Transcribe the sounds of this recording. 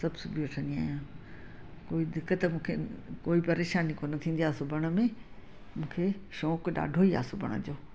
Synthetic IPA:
sɐbʱsʊbieʈʰə̃nd̪ia̰ːjãː | koːid̪ɪkːət̪mũːkʰekoːipɐɾeːʃaːnikonɐt̪ʰĩːnd̪iaːsʊbʱəɽ̃ə̆mẽ | mũːkʰeʃɔːkɗa̰ːɖʱoːia̰ːsʊbʱɐ̰ɽ̃ə̰d͡ʑoː

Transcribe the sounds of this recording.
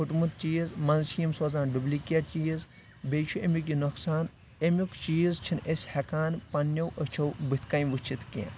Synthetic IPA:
pʰuʈmut̪̚t͡ʃiːzmɐ̃nzʃʰijimsoːzaːnɖublikʲiaːt͡ʃiːz | beːt͡ʃʰuemʲjuk̬inuksaːn | emʲjukt͡ʃiːzt͡ʃʰinesʲhekaːnpɐnːɐwʔət͡ʃʰɐwbɨt̪ʰkajʋɨt͡ʃʰit̪ʰkʲḛ̃ː

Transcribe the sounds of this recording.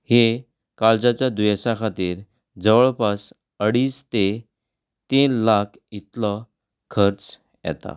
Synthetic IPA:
he | kaɭd͡zat͡ɕjad̪uɛsakʰat̪iːɾ | d͡zəʋəɭpas | əɽiːst̪e | t̪inlakʰit̪lɔ | kʰəɾt͡s | jɛ̰t̪a̰

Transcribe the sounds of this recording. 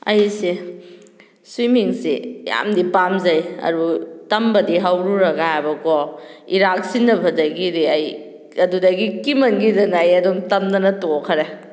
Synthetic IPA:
ɐ̰jsi | swimiŋsḭja̰mdipamzɐjɐ̰ɾutɐmbɐdiɦawɾuɾɐɡaabɐkɔiɾak̚sinɐbʱɐdɐɡiɾiɐj | ɐdudɐɡikimɐnɡidɐnːjɐdumtɐmnɐnɐtokʰɐɾe

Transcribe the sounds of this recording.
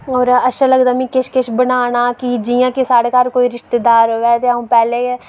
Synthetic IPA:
ɔːɾətːʃʰãːləɡd̪aːmĩːkɪʃkɪʃbənaːñaːkɪd͡ʒɪjãːkɪsaːɽeːkaːɾkoːiːɾɪʃt̪eːd̪aːɾʋɛːt̪eːaũːpɛːleːɛ

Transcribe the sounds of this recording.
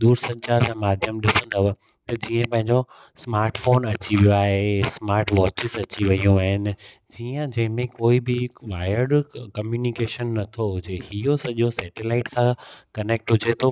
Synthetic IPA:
ɗ̪uːɾsɐd͡ʑad͡ʑãːmaːd̪ʱjəmɗɪsə̃nd̪ɐ | t̪ɐd͡ʑiːə̃pɐ̃ɦɪ̃ɲd͡ʑo | smaːɾʈfoːnɐt͡ɕiʋijoaːɦesmaːɾʈʋɔːt͡ɕɪzɐt͡ɕiʋɐijũaːɦɪnɪ̆ | d͡ʑiːə̃d͡ʑɐ̃ɦɪ̃mẽkoːibɪʋaːɪəɾɖkɐmjuːnikeːʃənːɐt̪ʰoɦʊd͡ʑehijosɐʄosɛːʈelaːɪʈkʰãːkɐneːk̚ʈɦʊd͡ʑet̪ʰoː

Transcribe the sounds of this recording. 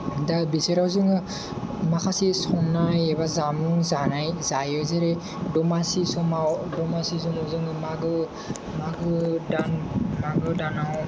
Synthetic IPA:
dabiseɾawzɯŋɯ | makʰasisɔnajeβazamɯŋzanajzajɯzeɾe | dɔmasisɔmawdɔmasizɯŋɯzɯŋɯmaɡɯ | maɡɯdanmaɡɯdanaw

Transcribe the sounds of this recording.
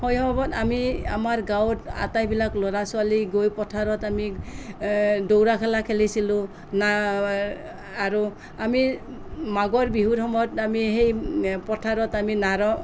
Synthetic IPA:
hɔjɔbbɔtamia̰maɹɡawta̰tajbilaklɔɾasualiɡojpɔtʰaɹɔtami | dowɹakʰalakʰelisilʊ̃ | na | aɹu | ami | maɡɔɹbiɦuthɔmɔjɔtamiɦejpɔtʰaɹɔtaminaɾɔ

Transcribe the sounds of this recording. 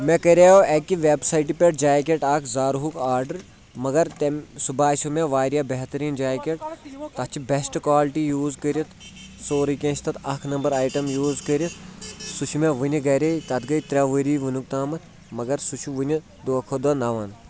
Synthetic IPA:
mẽkɐɾʲaːjoːekiʋebsɐiʈipeʈd͡ʒaːjk̬ʲeʈakʰzaːɾɦukaːɾɖɐɾ | mɐɡɐɾt̪subaːsumeʋaːɾijabɐɦt̪ɐɾiːnd͡ʒaːkʲeʈt̪ɐt͡ʃʰibesʈkaːlʈijuːzkəɾʲit̪ʰ | soːɾɨkʲẽːt͡ʃʰt̪ɐt̪ɐkʰnɐmbɐɾaːjʈɐmjuːzkəɾʲjisut͡ʃʰumẽʋɨnʲiɡɐɾʲet̪ɐt̪ɡɐjt̪ɾʲaʋəɾiːʋunuk̚t̪aːmɐt̪ | mɐɡɐɾsut͡ʃʰuʋunʲi | d̪oɐkʰod̪ɐnɐʋaːn

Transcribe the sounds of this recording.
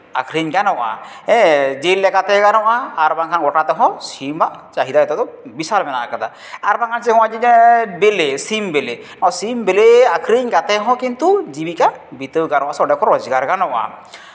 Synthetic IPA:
akʰɾiɲɡanɔʔa̰ | ɛd͡ʒelːɛkat̪ɛɡanɔwaːɾbaŋkʰanɡɔʈat̪ɛɦɔ̃simbaʔt͡ʃaɦid̪aɛt̪ɔt̪ɔbisalmɛnaʔkat̪ʰa | aɾbaŋkʰansɛɦɔwad͡ʒibelesimbele | ɔsimbeleakʰɾiɲɡat̪ɛɦɔ̃kint̪ud͡ʒibikabit̪əɡanɔʔasɔɖɛkʰɔɾɔd͡ʒɡaɾɡanɔʔa̰

